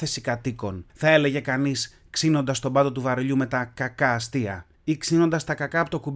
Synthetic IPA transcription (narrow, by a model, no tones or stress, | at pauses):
θe̞sikɐt̪iko̞nθɐe̞le̞ʝe̞kɐnis | ksino̞nd̪ɐst̪o̞bɐt̪o̞t̪uvɐɾoʎume̞t̪ɐkɐkɐːst̪iɐ̰ | iksino̞nd̪ɐst̪ɐkɐkɐɐpot̪okub